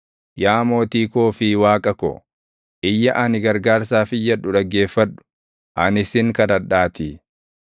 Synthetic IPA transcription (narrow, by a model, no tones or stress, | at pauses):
jaːmo̞ːt̪iːkoːfɪwaːkʼɐkɔ̰ | ʔɪjːɐʔɐnɪɡɐɾɡaːɾsaːfɪjːɐᶑʊᶑɐɡe̞ːfːɐᶑʊ̥ | ʔɐnɪsɪŋkɐd̪ɐᶑːaːt̪ɪ